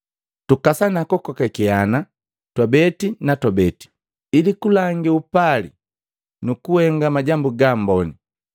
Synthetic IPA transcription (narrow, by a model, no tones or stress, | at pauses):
tukasanakɔkɔkakiana | twabɛtinatɔbɛti̥ | ilikulaŋɡiupalḭ | nukuhɛŋɡamaɟambuɡam̩bɔni